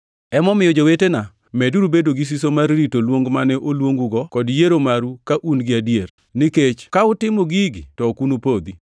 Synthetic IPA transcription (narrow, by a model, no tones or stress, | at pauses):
ɛmɔmɪjod͡ʒowetena | mɛduɾubedoɡis̬isomarːitolwoŋɡmanɛʔolwoŋɡuɡɔkɔdjeɾomaɾukaʔunɡɪadijer | niket͡ʃkaʊtɪmoɡiɡtɔkunupod̪i